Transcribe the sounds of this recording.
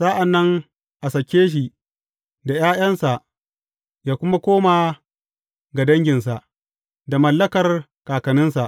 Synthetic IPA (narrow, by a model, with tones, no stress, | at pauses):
sa˦ʔa˨nːɐ˦ŋ | ʔa˨sɐ˨kʲːeː˦ʃ̬i˨ | da˨j̰aː˦j̰ɐ˦nsa˨ʔ | jaː˦kʷʊ˦ma˦kʷoː˦maː˨ | ɡa˨dɐ˦ŋɡʲɪ˨nsa˨ʔ | da˨mɐ˨lːɐ˦kɐ˨r | kaː˨kɐ˨nɪ˦nsa˨ʔ